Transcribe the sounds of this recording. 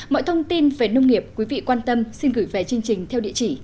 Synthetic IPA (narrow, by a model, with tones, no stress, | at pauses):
mɔ̰˧˨jt̪ʰə˧wŋ͡mt̪i˧nve˨˩nə˧wŋ͡mŋi˨˩əp̚kwi˨˦vḭ˧˨kwaː˧nt̪ə˧msi˧nɣɨ˧˩jvɛ˨˩t͡ɕɨ˧əŋt͡ɕï˨˩ŋ̟t̪ʰɛ˧wɗḭ˧˨ət͡ɕi˧˩